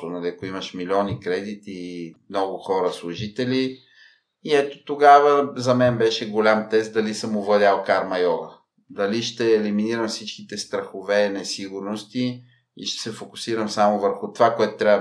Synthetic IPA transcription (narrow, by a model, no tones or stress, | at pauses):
ʊnɐliɐkoiməʃmilʲiɔnikɾɛd̪it̪imnɔɡʊxɔɾəslˠʊʒit̪ɛli | iɛt̪o̥t̪oɡavəzɐmɛnbɛʃɛɡolʲamt̪ɛst̪̚d̪ɐlisəmʊvlˠɐd̪ʲalˠkaɾmɐjɔɡə | d̪ɐliʃt̪ɛːliminiɾəmfsit͡ʃkit̪ɛst̪ɾɐxovɛnɛsiɡʊɾnost̪i | ḭʃt̪ɛ̥sɛfokʊ̥siɾəmsamʊvəɾxʊt̪ovakoɛt̪ʊt̪ɾʲab